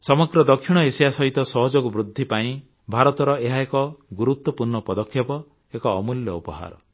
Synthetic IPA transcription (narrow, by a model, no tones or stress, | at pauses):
sɔmɔɡɾɔd̪ɔkʰːiɽ̃ɔesijasɔɦit̪ɔsɔɦɔd͡ʒɔkubɾud̪ʱːipaĩ | bʱaɾɔt̪ɔɾɔeɦaekɔɡuɾut̪wɔpuɾɳɔpɔd̪ɔkʰːjɔpɔ | ekɔːmuljɔupɔɦa̰ɾɔ̰